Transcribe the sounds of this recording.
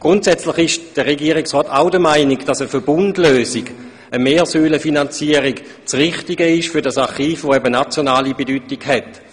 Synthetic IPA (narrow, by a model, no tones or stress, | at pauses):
ɡ̥ʁʊntsɛt͡slɪχɪʃd̥əʁeɡiːəʁiksʁɔːtaʊdəmaɪniɡd̥asəfəbʊndløːsiɡ | əmeːsyːləfinant͡siəʁiɡ | t͡sʁɪχtiɡəɪʃfʏɐdasaχiːfʋoɛbənat͡sjonaːlibedyːtiɡ̥hɛt